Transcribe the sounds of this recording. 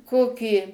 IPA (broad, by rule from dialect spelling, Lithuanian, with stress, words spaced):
ˈkoːkʲiː